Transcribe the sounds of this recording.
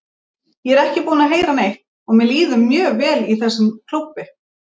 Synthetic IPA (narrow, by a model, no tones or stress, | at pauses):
jɛɛɾɛhcɪpuːnaɦeːjɾanejht̪ | ɔɣmɛliːðʏmːjœːɣvɛːliθɛsːʏmkʰl̥uwpːɪ